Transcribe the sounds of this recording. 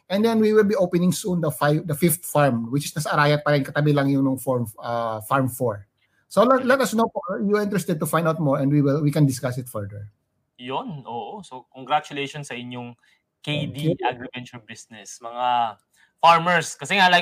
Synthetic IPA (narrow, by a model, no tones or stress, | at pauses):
ʔɛ̃nd̪ɛnwiwɪlbiʔowpɛnɪ̃ŋsund̪ɐfajbd̪ɐfift̪faɹmwɪt͡ʃɪsnɐsɐɐɾaːjɐt̪̚pɐɾɛnkɐt̪ɐbɪlɐŋjʊŋnʊŋfɔɹmʔɐfaɹmfoɹ | solɛlɛt̪ɐsnowpɔjuʔɪ̃nt̪ɾɛst̪ɛd̪̚t̪ʊfãj̃nd̪awt̪̚mɔɹɛ̃nd̪wiwɪlwikɛ̃nd̪ɪskasɪt̪fɛɹd̪ɛɹ | jonʔoːʔosokoŋɡɾat͡ʃʊlejʃonsɐʔɪɲjoŋ | ked̪iɛʔaɡɹɪvɛnt͡ʃonbisnɛsmɐŋa | faɹmɛɹskɐsɛŋala